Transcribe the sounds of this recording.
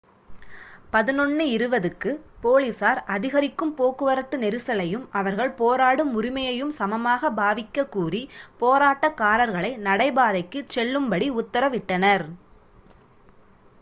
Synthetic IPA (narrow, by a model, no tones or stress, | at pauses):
pɐðɯnɔɳːɯɪɾɯʋɐðɯkːɯpoːlisaːɾɐðɪɣɐɾɪkːɯmpoːkɯʋɐɾɐt̪ːɯnɛɾɯsɐlɐjɯmɐʋɐɾɣɐɭpoːɾaːɽɯmːʊɾɪmɐjɐjɯmsɐmɐmaːɣɐbaːʋɪkːɐkːuːripoːɾaːʈːɐkaːɾɐɾɣɐɭɐɪnɐɽɐɪbaːðɐɪkːɯt͡ʃɛɭːɯmbɐɽiʊt̪ːɐɾɐʋɪʈːɐnɐɾ